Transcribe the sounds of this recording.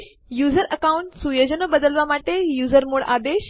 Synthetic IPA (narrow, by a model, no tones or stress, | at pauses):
juzəɾəkauɳʈsujod͡ʑənəbəd̪əlʋamaʈejuzəɾmoɭa̰d̪eɕ